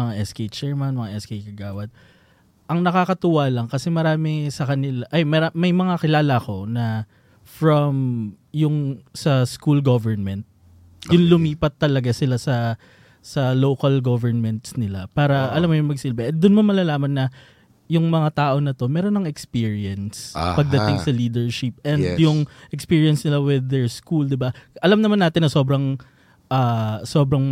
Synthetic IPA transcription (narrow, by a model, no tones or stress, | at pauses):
ɐŋaʔɛskejt͡ʃɛɹmɐnmɐŋaʔɛskejkɐɡaːwɐd̪̚ | ʔɐŋnɐkakɐt̪ʊwaːlɐŋkɐsɛmɐɾaːmɪsɐkɐnɪlaʔɐjmɐamɐjmɐŋakɪlaːlɐko̞nɐ | fɹɐm | jʊŋsɐskulɡovɛɹnmɛnt̪̚ | jʊnlʊmiːpɐt̪ːɐlɐɡasɪlasɐ | sɐlowkɐlɡovɛɹnmɛnt̪snɪla̰paːɾɐʔɐlamːojʊŋmɐɡsɪlbɛʔɛd̪ʊnmɐnmːɐlalaːmɐnːɐ | jʊŋmɐŋat̪aːʔo̞nɐt̪o̞mɛːɾo̞nːɐŋɛkspiːɹiɐnspɐɡ̚d̪ɐt̪ɪŋsɐliːd̪ɛɹʃɪp̚ʔɛnd̪jʊŋʔɛkspiːɹiɐnsnɪlawɪðːɛɹskuld̪ɪbaʔɐlamnɐmanaːt̪ɪnːɐso̞ːbɾɐŋ | ʔɐːso̞ːbɾɐŋ